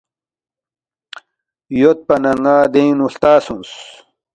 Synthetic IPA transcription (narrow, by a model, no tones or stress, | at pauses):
jot̪̚pɐnɐŋɡaːd̪ejnuɬt̪aːsũns